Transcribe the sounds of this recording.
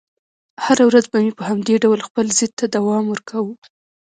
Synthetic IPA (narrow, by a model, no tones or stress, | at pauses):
haɾawɾazbamipəhamd̪eɖawlxpəlzɪd̪̚t̪ːad̪awɑmwəɾkʰawu